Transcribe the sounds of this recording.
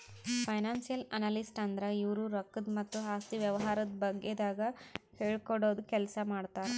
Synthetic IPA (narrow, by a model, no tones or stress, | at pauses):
pʰɐjnaːnsijɐlɐnalisʈɐnd̪ɐɾɐiʋɾuɾɐkːɐd̪mɐt̪ːuɦaːst̪iʋjɐʋɐɦaːɾɐd̪bɐɡːed̪aːɡɐheːɭkoɽo̞ːd̪kɛlsɐmaːɖt̪aːɾe